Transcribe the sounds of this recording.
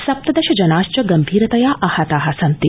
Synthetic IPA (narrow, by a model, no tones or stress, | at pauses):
sɐp̚t̪ɐd̪ɐʃɐd͡ʒɐnaːʃt͡ʃɐɡɐmbʱiːɾɐt̪ɐjaːʔɐhɐt̪aːɦɐsɐnt̪i